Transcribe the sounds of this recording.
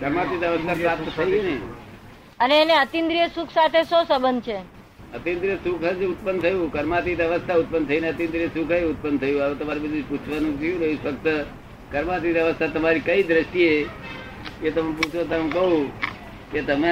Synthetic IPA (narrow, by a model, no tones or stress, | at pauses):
kəɾmat̪it̪əʋəst̪ʰapɾap̚t̪t̪ʰəjune | əneːneət̪ind̪ɾijəsukʰsat̪ʰesosəbənd̪̚t͡ʃʰe | ət̪ind̪ɾijəsukʰəd͡ʒeʊt̪̚pənt̪ʰəjũkəɾmat̪it̪əʋəst̪ʰaʊt̪̚pənt̪ʰəineət̪ĩnd̪ɾijəsukʰəeʊt̪̚pənt̪ʰəjũaʋet̪əmaɾebəd̪ud͡ʒput͡ʃʰʋanũd͡ʒiũɾəifək̚t̪ə | kəɾmat̪it̪əʋəst̪ʰat̪əmaɾikəid̪ɾəʃʈie | ket̪əmep̬ut͡ʃʰot̪əmẽkəɦũ | ket̪əme